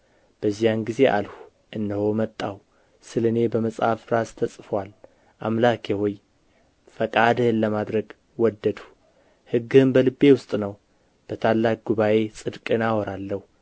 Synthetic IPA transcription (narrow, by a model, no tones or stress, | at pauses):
b̥əzːijanɡize̞ʔa̰lhu | ʔɨnːəho̞mət̪ʼːaw | sɨlɨne̞bəməsʼhafɾast̪ʰəsʼfwal | ʔa̰mlakʰehoj | fəkʼad̪hɨnləmad̪ɾəɡ | wɔd̪ːəd̪u̥ | hɨɡːɨhɨmbəlɨbːe̞wʊst̪ʼnəw | b̥ət̪ʰalːak̚ɡuβaʔe̞sʼɨd̪kʼɨnawɔɾalːəhu